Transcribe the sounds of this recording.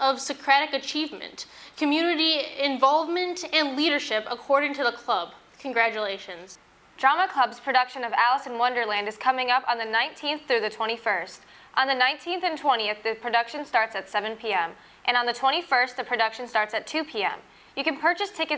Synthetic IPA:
ʌv̥sɨkʰɹ̥æɾɨkɨt͡ʃʰivmɨ̰̃nkʰɨmjʉnɨɾiɪ̃ɱvɑlˠvmɨ̃ntɨ̃nliɾə˞ʃɪpəkʰɔɹɾɪ̃ŋtʰɨðəkʰl̥ʌb̥̚ | kʰn̩ɡɹæt͡ʃɨleɪʃɨ̃nz̥ | d̥ɹɑməkʰl̥ʌbz̥pʰɹ̥ɨɾʌkʃɨ̃nʌvælˠəsɨ̃n̩wʌ̃ndə˞læ̃ndɨz̥kʰʌmɪ̃ŋʌpn̩ðɨnãɪ̃ntʰĩnθθɹʉðɨtʰw̥ɛ̃ɾ̃ifɜ˞st | ʔn̩ðɨnãɪ̃ntʰĩnθɨ̃ntʰw̥ɛ̃ɾ̃iɨθðɨpʰɹ̥ɨdʌkʃɨ̃nstɑɹtsɨtsɛvɨ̃npʰiɛ̃m | ʔɨ̃ñnðɨtʰw̥ɛ̃ɾ̃ifɜ˞st̪ðɨpʰɹ̥ɨdʌkʃɨ̃n̩stɑɹtsɨtʰʉpʰiɛ̰̃m | jɨkɨ̃npʰɜ˞t͡ʃɨstʰɪkɨ

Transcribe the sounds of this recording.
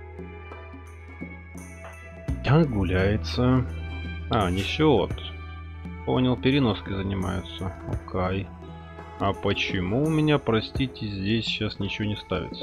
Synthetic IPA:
t̪aɡʊlʲæjɪt̪sə | anʲɪɕo̰t̪ | po̞̰nʲəlˠpʲɪɾʲɪno̞skʲɪzənʲɪma̰jʊt̪səo̰kʰaj | ɐpət͡ɕɪmuʊmʲɪnʲapɾɐsʲtʲitʲɪzʲdʲesʲɕasnʲɪt͡ɕɪvo̞nʲɪst̪avʲɪ̰t̪sə

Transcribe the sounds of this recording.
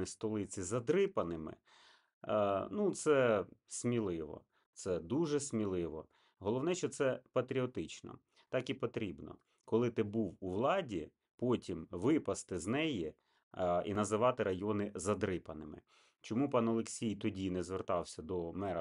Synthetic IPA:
ist̪ɔlˠɪt͡sʲizɐd̪ɾɪpɐnɪmɪ̰ | nut̪sɛsʲmʲilˠɪʋɔ̰ | t̪sɛd̪uʒɛsʲmʲilˠɪʋɔ̰ | ɦɔlˠɔʋnɛʃɔt̪sɛpɐt̪ɾʲiɔt̪ɪt͡ʃnɔ̰ | t̪ɑkipɔt̪ɾʲibnɔ̰ | kɔlˠɪt̪ɪbuwuʋlˠɑdʲi | pɔtʲimʋɪpɐst̪ɪznɛji | ḭnɐzɪʋɑt̪ɪɾɐjɔnɪzɐd̪ɾɪpɐnɪmɪ̰ | t͡ʃɔmupɑnɔlˠeksʲijt̪ɔdʲinɛzʋert̪ɑwsʲɐd̪ɔmɛɾɐ

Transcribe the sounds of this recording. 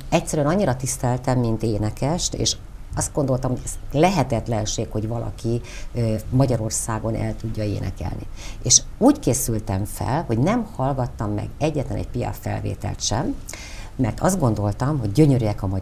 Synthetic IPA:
ɛct̪sːɛɾyɛnɒɲːiɾɒt̪ist̪ɛlt̪ɛmːint̪eːnɛkɛʃt̪ḛːʃ | ɒst̪ɡo̞nd̪o̞lt̪ɒmho̞ɟɛzlɛɦɛt̪ɛt̪lɛnʃeːkho̞ɟvɒlʔɒ̰kiømɒɟɒɾo̞rsaːɡo̞nʔɛ̰lt̪uɟːɒḛːnɛ̰kɛ̰lnḭeːʃuːckeːsylt̪ɛɱfɛ̰lho̞ɟnɛmhɒlɡɒt̪ːɒmːɛ̰ɡɛɟːɛt̪lɛnɛ̰cpijɒ̰fɛ̰lvḛːt̪ɛ̰lt̪ʃɛmː | ɛrt̪ʰɒzd̪ɡo̞nd̪o̞lt̪ɒmɦo̞ɟːø̞ɲøɾyjɛkɒmɒ

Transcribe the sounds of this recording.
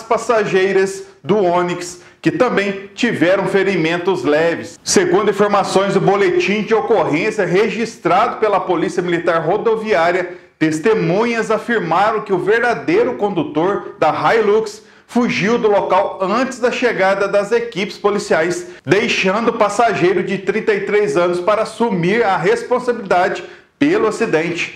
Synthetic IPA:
spasaʒejɾɐz | d̪ʊõniks | kɪt̪ɐ̃mbẽj̃t͡ʃivɛɾɐ̃w̃feɾimẽnt̪ʊzlɛvɪsseɡũnd̪ʊĩfoɾmasõj̃zd̪ʊbolet͡ʃĩd͡ʒɪokoɦẽsjɐɦeʒist̪ɾad̪ʊpelɐpolisiɐmilit̪aɾɦod̪oviaɾjɐt̪est̪emũɲɐzafiɾmaɾɐ̃w̃kɪʊveɾd̪ad̪ejɾʊkõnd̪ut̪oɾd̪ɐɦajluks | fuʒiwd̪ʊlokawɐ̃t͡ʃɪzd̪ɐʃeɡad̪ɐd̪ɐzekipɪ̥spolisiajsd̪ejʃɐ̃nd̪ʊpasaʒejɾʊd͡ʒɪt̪ɾĩnt̪ɐjt̪ɾejzɐ̃nʊspaɾɐasumiɾɐɦespõsabilid̪ad͡ʒɪ | pelʊasid̪ẽnt͡ʃɪ̥

